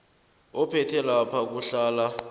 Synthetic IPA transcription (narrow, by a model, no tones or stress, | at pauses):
ɔpʰɛtʰɛlapʰak̬uɬaːla